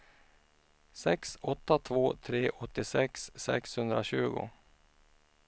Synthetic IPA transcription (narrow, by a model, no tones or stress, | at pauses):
sɛksɔt̪ːat̪ʰvoːt̪ʰɾeːʔɔt̪ːɪsɛksːɛ̰kshɵnd̪ɾaɕʉ̟ːɡʊ̰